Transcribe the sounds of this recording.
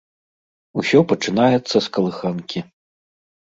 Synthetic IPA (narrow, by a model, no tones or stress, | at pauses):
usʲɔpɐt͡ʂɨnajɛt̪sːɐskɐlˠɨxankʲi